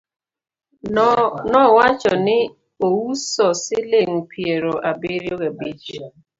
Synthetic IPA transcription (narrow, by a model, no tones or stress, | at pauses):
nɔwat͡ʃɔnɪ | owusɔsɪleŋ̩pʰieɾoʔabɪɾjoɣabid͡ʒ